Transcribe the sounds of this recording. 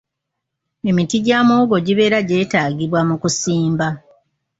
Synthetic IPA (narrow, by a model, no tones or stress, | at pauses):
e̞mitiɟaːmooɡo̞ɟiβe̞ːɾaɟe̞ːtaːɡiβwamukusiːmba